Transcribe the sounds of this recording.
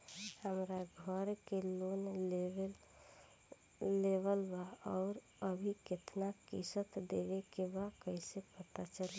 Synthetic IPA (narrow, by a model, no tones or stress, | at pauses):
həmɾaɡʱəɾkelon | ebəlbaɔʊɾ | əbʱiket̪nakisət̪d̪ebekebakəɪsepət̪at͡ʃəl